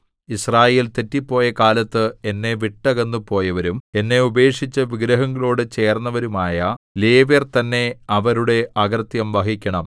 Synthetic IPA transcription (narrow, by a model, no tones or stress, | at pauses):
israːje̞ːlt̪etːipːo̞ːjɐkaːlɐt̪ːɨe̞nːe̞ʋiʈːɐɣɐnːupo̞ːjɐʋɐɾume̞nːe̞ube̞ːkʂit͡ɕːɐʋiɡɾɐɦɐŋɡɐɭoːɽɨt͡ɕe̞ːrnːɐʋɐɾumaːjɐle̞ːʋjɐrt̪ɐnːe̞ɐʋɐɾuɽe̞ʔɐɡɐrt̪jɐmʋɐɦikʲːɐɳɐm